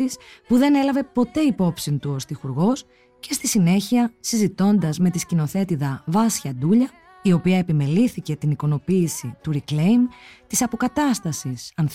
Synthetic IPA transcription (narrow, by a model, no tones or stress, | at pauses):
ispuðe̞ne̞lɐve̞po̞t̪e̞ipo̞psint̪uo̞st̪ixuɾɣo̞s | ce̞st̪isine̞çiɐsizit̪o̞nd̪ɐzme̞t̪iscino̞θe̞t̪iðɐvɐsçɐd̪uʎɐ | io̞piɐepime̞liθice̞t̪iniko̞no̞piːsit̪uɾikle̞jmt̪isɐpo̞kɐt̪ɐst̪ɐsisɐnθ